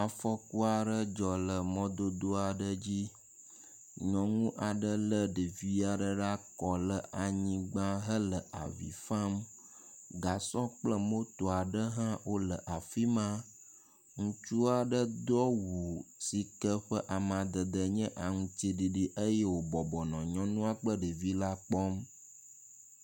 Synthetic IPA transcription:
a˨fɔ˦ku˦a˨ɖə˦d͡ʒɔ˨lə˨mɔ̃˦d̪o˦d̪o˦a˨ɖə˦d͡ʑi˦ | ɲɔ̃˨ŋũ˦ʔa˨ɖə˦lə˦ɖi˨vi˦a˨ɖə˦ɖa˦kɔ˨lə˦ʔa˨ɲĩ˦ɡ͡bã˦ɦə˦lə˨ʔa̰˨vḭ˨fã˦m | ɡa˨sɔ̃˦k͡plə˦mo˦t̪o˨a˨ɖə˦ɦã˦wo˦lə˨ʔa˨fi˦mã˦ | ŋũ˦t͡ʃu˦a˨ɖə˦d̪ɔ˦wu˨si˨kə˦ɸə˦ʔa˨mã˨d̪ə˨d̪ə˨ɲɛ̃˦ʔa˨ŋũ˦t͡ʃi˦ɖi˨ɖi˨ʔə˦je˦wo˨bɔ˨bɔ˨nɔ̃˨ɲɔ̃˦nũ˦a˨k͡plə˦ɖi˨vi˦la˦k͡pɔ˦m

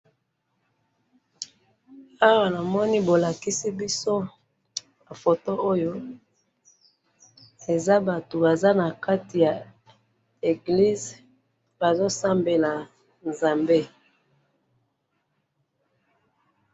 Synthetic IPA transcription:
a˦wa˦˨na˨mɔ˦ni˦bo˨la˨ki˦si˦bi˦so˦ | a˨fo˨to˦o˦jo˦ | e˨za˦ba˨to˨ba˨za˦na˨ka˦ti˨ja˨ | e˨ɡli˦z | ba˨zo˦sa˦mbe˨la˨ | nza˨mbe˦

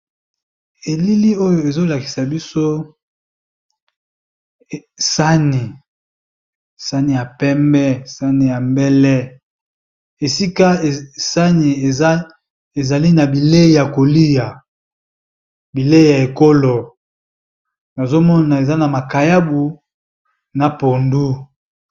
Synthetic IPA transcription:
e˨li˦li˦o˦jo˨e˨zo˦la˨ki̥˨sa˨bi˦so˦˨ | sa˦ni˨ | sa˦ni˨ja˨pɛ˦mbɛ˦sa˦ni˨ja˨mbɛ˦lɛ˦ | e˨si˦ka˦˨sa˦ni˨e˨a˦ | e˨za˨li˦na˨bi˨le˦˨ja˨ko˨li˦ja˨ | bi˨le˦˨ja˨e˨ko˦lo˨ | na˨zo˦mɔ˦na˨e˨za˦na˨ma˨ka˨ja˦bu˨ | na˨po˨ndu˦

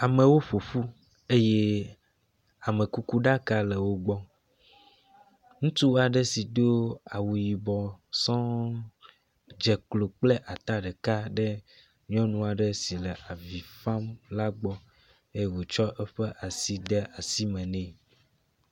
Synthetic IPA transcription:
a˨mẽ˨wo˦ɸo˨fu˦ | e˦je˦ | a˨mẽ˨ku˦ku˦ɖa˦ka˦lɛ˨wo˦ɡ͡bɔ˦ | ŋũ˦t̪u˦a˨ɖɛ˦si˨d̪o˦a˨wu˨ji˨bɔ˨sɔ̃˦ | d͡ʒɛ˨klo˨k͡plɛ˦ʔa˨t̪a˦ɖɛ˨ka˦ɖɛ˦ | ɲĩ˦ɔ̃˦nũ˦a˨ɖɛ˦si˨lɛ˨ʔa˨vi˨fã˦mla˦ɡ͡bɔ˦ | e˦je˦wo˨t͡ʃɔ˦ʔɛ˦ɸɛ˦ʔa˨si˦d̪ɛ˦ʔa˨si˦mɛ̃˨nɛ̃˨

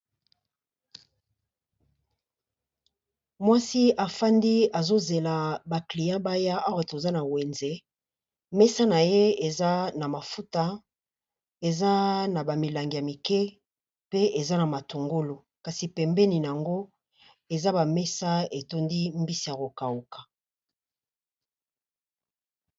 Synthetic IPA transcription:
mwa˦si˦a˨fa˦ndi˦a˨zo˦ze˨la˨ba˨kli˨jã˦ba˦ja˦ʔa˦wa˨to˨za˦na˨we˨nze˨ | mɛ˦sa˦na˨je˦e˨za˦na˨ma˨fu˦ta˦ | e˨za˦na˨ba˨mi˨la˨ŋɡi˨ja˨mi˨kɛ˦ | pe˦e˨za˦na˨ma˨to˨ŋɡo˦lo˨ | ka˨si˨pɛ˨mbɛ˦ni˨n˨a˨ŋɡo˦ | e˨za˦ba˨mɛ˦sa˦e˨to˦ndi˦mbi˦si˨ja˨ko˨ka˨wu˨kḁ˨

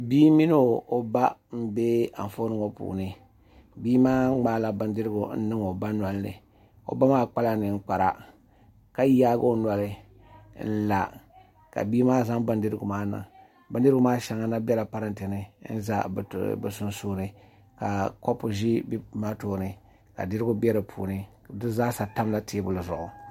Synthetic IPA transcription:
biː˦mi˦no˦o˨ba˦m̩˦be˦a̰˨ɱ˨fo˦nɨ˦ŋo˨pṵː˨nɨ˦ | biː˦maː˦ŋ͡maː˦la˨bɨ˨ndɨ˦ɾɨ˦ɡu˨n̩˦nɨ˦ŋo˨ba˦nwa˨lnɨ̰˨ | o̰˦ba˦maː˦k͡pa˦la˦nɨ˨ŋ͡m̩˦k͡pa˨ɾa̰˨ | ka˦jaː˦ɡo˦nwa˨lɨ˦ | n̩˦la˨ | ka̰˨biː˦maː˦za˦ŋbɨ˦ndɨ˦ɾɨ˦ɡʊ̰˨maː˦nɨ̰˨ŋ | bɨ˦n˦dɨ˦ɾɡʊ˦maː˦ʃa˨ŋa˦na˦bɛ˦la˨pa˦ɾɨ˦ntɨ˨nɨ˦n̩˦za̰˦˨bɨ̰˨sʊ˦n˦suː˦nɨ˨ | ka˨ko˦pʊ˨ʒi˦bma˦toː˨nɨ˨ | ka˨dɨ˦ɾɨ˦ɡʊ˦bɛ˦ɾɨ˨pʰṵː˨nɨ˦ | dɨ˦zaː˦sa˨ta˦m˦la˦te˦bʊ˨lɨ˨zʊ˨ʔʊ˨

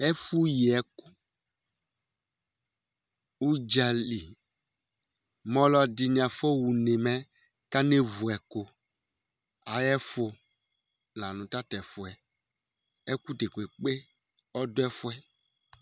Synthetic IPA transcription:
ɛ˦fu˦ji˨ɛ˨ku˦ | u˦d͡ʒa˨li˨ | mɔ̃˦lɔ˦di˨nĩ˨ã˨fo˦wu˨ne˨mɛ̃˦ | ka˦ne˦vu˨ɛ˨ko˨ | a˨jɛ˦fo˨ | la˨nũ˨ta˦t̪ɛ˨fo˨ɛ˨ | ɛ˦ku˦de˨ke˨k͡pe˦ | ɔ˦do˦ɛ˦fo˦ɛ˦

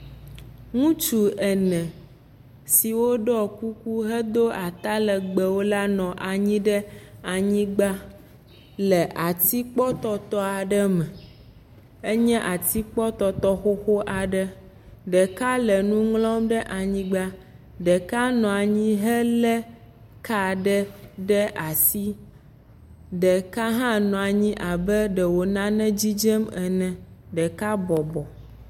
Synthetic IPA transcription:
ŋũ˦t͡ʃu˦ɛ˨nɛ̃˨ | si˨wo˦ɖɔ˦ku˦ku˦ɦə˦d̪o˦a˨t̪a˦lə˨ɡ͡bɛ˨wo˦la˦nɔ̃˨ʔa˨ɲĩ˦ɖə˦a˨ɲĩ˦ɡ͡ba˦ | lɛ˨ʔa˨t̪i˦k͡pɔ˦t̪ɔ˦t̪ɔ˦a˨ɖə˦mɛ̃˨ | e˦ɲɛ̃˦ʔa˨t̪i˦k͡pɔ˦t̪ɔ˨t̪ɔ˦xo˦xo˦ʔa˨ɖə˦ | ɖɛ˨ka˦lɛ˨nũ˦ŋlɔ̃˦mɖɛ˦ʔa˨ɲĩ˦ɡ͡ba˦ | ɖɛ˨ka˦nɔ̃˨a˨ɲĩ˦ɦə˦lɛ˦ | ka˦ɖɛ˦ɖɛ˦ʔa˨si˦ | ɖɛ˨ka˦ɦã˦nɔ̃˨a˨ɲĩ˦ʔa˨bə˦ɖə˨wo˨nã˦nɛ̃˦d͡ʑi˦d͡ʒɛ˦mɛ˨nɛ̃˨ɖɛ˨ka˦bɔ˨bɔ˨

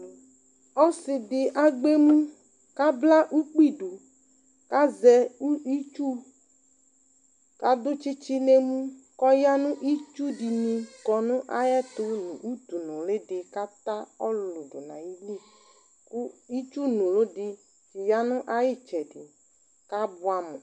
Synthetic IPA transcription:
ɔ˦sɪ˨dɪ˨ʔa˦ɡ͡be˦mũ˦ | ka˦bla˦ʔu˦k͡pi˦˨ɖu˨ | ka˦zɛ˨u˦i˦t͡ʃu˦ | ka˨dʊ˦t͡ʃi˦t͡ʃi˦ne˦mũ˦kɔ˦ja˦nũ˦ʔi˦t͡ʃu˦di˨nĩ˨kɔ˨nʊ̃˦ʔa˦jɛ˦t̪ʊ˦nũ˨ʔu˦t̪u˨nũ˨le˦dɪ˨ka˦t̪a˦ɔ˦lʊ˨dʊ˨nã̰˨ji˦li˦˨ | ku˦i˦t͡ʃu˦nũ˨lo˦dɪ˨ | t͡ʃi˨ja˦nʊ̃˦ʔa˦jɪ˦˨t͡ʃɛ˨dɪ˨ | ka˦bʊ˦a˨mṵ̃˨

